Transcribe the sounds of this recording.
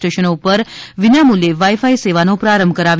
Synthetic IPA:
ʈeʃənopəɾʋɪnamuljeʋajfaiseʋanopɾaɾəmbʱkəɾaʋ

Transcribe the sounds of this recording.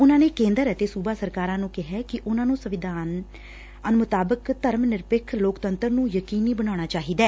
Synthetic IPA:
ʊnãːneːkẽːnd̪əɾət̪eːsuːbaːsəɾkaːɾãːnũːkɪɦɛːkɪʔʊnãːnũːsəʋɪd̪ʱaːn | ənʊmʊt̪aːbəkt̪əɾmnɪɾpɪkʰloːkt̪ənt̪əɾnũːjəkiːniːbəñaːɽ̃aːt͡ʃaːɦiːd̪ɛː

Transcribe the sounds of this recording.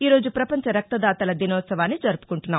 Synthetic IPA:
iːɾo̞ːd͡ʒupɾɐpɐɲt͡ʃɐɾɐk̚t̪ɐd̪aːt̪ɐlɐd̪inɔːt̪sɐʋaːnːid͡ʒɐɾupu̥kuɳʈunːaː

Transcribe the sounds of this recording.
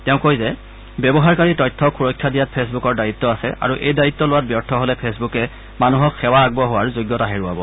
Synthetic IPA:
tɛʊ̃kojzɛ | bɛbɔɦaɹkaɹitɔjtʰɔkʰuɹɔjkʰːadijat̚pʰesbukɔɹdajit̪ːɔasɛ̰ʔa̰ɹuʔejdaɹit̪ːɔlʊwat̚bjɔɹtʰɔɦolɛpʰesbukɛ | manuɦɔkxɛwaːɡ̚bɔɦowaɹzoɡjɔtaɦeɹuabɔ

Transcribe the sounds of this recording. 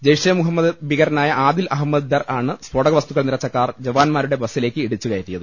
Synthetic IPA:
d͡ʑejʂɐjɐmuɦɐmːɐd̪ɨbiɣɐɾnaːjɐʔaːd̪ilʔɐɦɐmːɐd̪d̪ɐraːɳɨswoɽɐɣɐʋɐst̪uɣɐɭniɾɐt͡ɕːɐkːaːrd͡ʑɐʋaːnmaːɾuɽe̞bɐsːile̞ːkːɨiɽut͡ɕːuɣɐjetːijɐðɨ

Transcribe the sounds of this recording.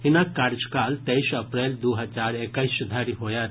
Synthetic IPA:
ɦɪnakːaːɾd͡ʒkaːlt̪ɛiʃɐpɾɛːld̪oːɦɐd͡ʒaːɾekaisʊd̪ʱaːɾiɦoːja

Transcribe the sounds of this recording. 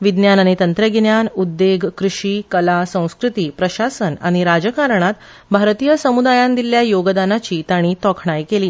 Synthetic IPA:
ʋid̪njanaɽit̪ənt̪ɾəɡinjanud̪ːeɡʱkɾuʂiːkəlasə̃w̃skɾut̪iːpɾəɕasəna̰ɽ̃iɾad͡ʑəkaɾɳ̃at̪ | bʱaɾt̪ijəsəmud̪ajãnd̪iljajoɡd̪anat͡ɕiːt̪aɽ̃iːt̪ɔkʰɳajkeliː

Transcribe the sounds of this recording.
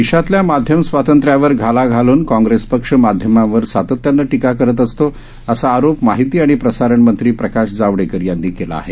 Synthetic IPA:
ʋiɕat̪ljamad̪ʱjəmsʋat̪ənt̪ɾjaʋəɾɡʱalaɡʱaluːnkɔ̃ŋɡɾespəkʂəmad̪ʱjəmaʋəɾsat̪ət̪janːəʈikakəɾət̪əst̪o | əsaːɾopmaɦit̪iːaɽ̃ipɾəsaɾəɳmənt̪ɾiːpɾəkaɕd͡zaʋɽekəɾjanːiːkela̰ːɦḛ

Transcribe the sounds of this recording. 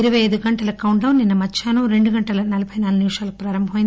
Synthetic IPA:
iɾɐʋɐjɐjd̪uɡɐɳʈɐlɐkɐwɳɖɐwnːinːɐmɐt͡ʃʰːaːnuɾe̞ɳɖuɡɐɳʈɐlɐnɐlɐbʱɐjnaːlɡniʋʂaːlɐkupɾaːɾɐmbʱɐmɐjin

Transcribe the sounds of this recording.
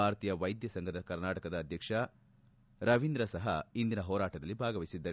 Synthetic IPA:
aːɾt̪iːjɐʋɐjd̪jɐsɐŋɡʱɐd̪ɐkɐɾnaːʈɐkɐd̪ɐːd̪ʱjɐkʂɐ | ɾɐʋind̪ɾɐsɐɦɐ̰ind̪inɐɦɔːɾaːʈɐd̪ɐlːibʱaːɡɐʋisid̪ːɐɾ

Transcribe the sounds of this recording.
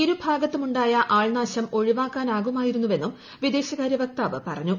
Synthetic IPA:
iɾubʱaːɡɐt̪ːumuɳɖaːjɐʔaːɭnaːɕɐmo̞ɻiʋaːkːaːnaːɣumaːjiɾunːuʋe̞nːum | ʋid̪e̞ːɕɐɣaːɾjɐʋɐk̚t̪aːʋɨpɐ̰rɐɲːu

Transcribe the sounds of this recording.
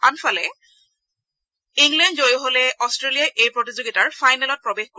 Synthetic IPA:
anfalɛ | iŋɡlɛndzojoɦolɛʔɔstɹelijajʔejpɹotizoɡitaɹfajnɛlɔt̚pɹɔbexko

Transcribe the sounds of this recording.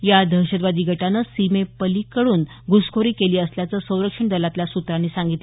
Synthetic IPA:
jad̪ʱəɕəd̪ʋad̪ʱiːɡʱəʈanəsimepəlikəɽuːn | ɡuskʰoɾiːkeliːəsljat͡səsə̃w̃ɾəkʂəɳɖ̪əlat̪ljasut̪ɾanːiːsaŋɡit̪l

